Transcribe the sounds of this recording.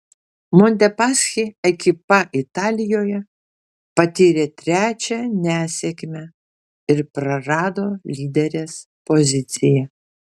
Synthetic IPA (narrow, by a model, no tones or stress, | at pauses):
mɔnʲt̪ʲɛpɑːsʲxʲiɛkʲɪpɐʔɪt̪ɑːlʲɪjoːjɛ | pɐt̪ʲiːɾʲet̪ʲɾʲæːt͡ʃʲɛnʲæːsʲɛkʲmʲɛ | ɪɾpɾɐɾɑːd̪oːlʲiːd̪ʲɛɾʲeːs | pozʲɪt̪sʲɪjɛ